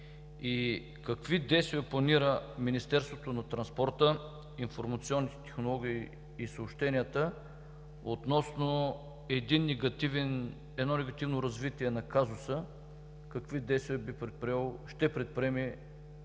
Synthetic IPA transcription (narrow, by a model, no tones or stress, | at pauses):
i | kɐkvid̪ɛjst̪viɐplˠɐniɾəminist̪ɛɾst̪vot̪onɐt̪ɾɐnspɔɾt̪ə | infoɾmɐt̪siɔnːit̪ɛ̥t̪ɛ̥xnolˠɔɡ̟iː | sɐopʃt̪ɛniət̪ə | ot̪nɔsno | ɛd̪inːɛɡɐt̪ivɛn | ɛd̪nɔnɛɡɐt̪ivnoɾɐzvit̪iɛnɐkazʊsə | kɐkvid̪ɛjst̪viɐbipɾɛt̪̚pɾiɛloʃt̪ɛpɾɛt̪̚pɾiɛmɛ